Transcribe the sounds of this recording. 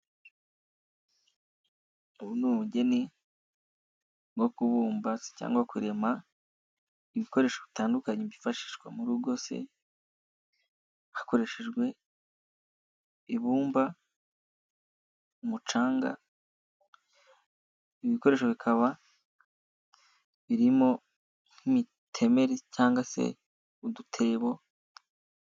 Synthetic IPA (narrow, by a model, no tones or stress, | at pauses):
uβunumuɟe̞ni | ɡo̞kuβuːmbasca̰ːŋɡwakuɾe̞ma | iβiko̞ɾe̞ːʃoβitaːndukaɲeβifaʃi̥ːʃɡwa̰muɾuɡo̞sḛ | hḁko̞ɾe̞ʃeʒɡwe̞ | iβuːmba | umut͡ʃaːŋɡa̰ | iβiko̞ɾe̞ːʃo̞βikʰaβa | βiɾimo̞ | ŋ̥himi | tʰe̞me̞ɾecaːŋɡasḛ | udutʰe̞ːβo̞